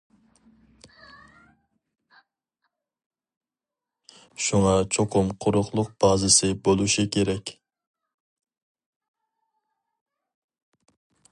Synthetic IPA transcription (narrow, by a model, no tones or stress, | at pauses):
ʃuŋɑt͡ʃʰoqʰʊmqʰʊɾʊχlˠʊq̚b̥ɑːzɪsɪbolˠuʃikʲʰeɾɛkʲ